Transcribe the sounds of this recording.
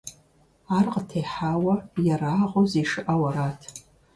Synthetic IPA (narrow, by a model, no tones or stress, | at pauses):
arqʼətʰejħawajaɾaːʁʷʼoziʂɨʔawaɾatʰ